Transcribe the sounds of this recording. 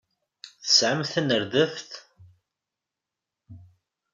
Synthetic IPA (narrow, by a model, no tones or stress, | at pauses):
θə̥sʕəmθənəɾðəfθ